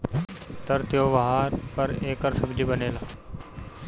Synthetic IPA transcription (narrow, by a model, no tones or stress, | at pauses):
t̪ɐɾt̪joːʋaɦaːɾpɐɾeːkəɾsəbd͡ʒiːbəneːlaː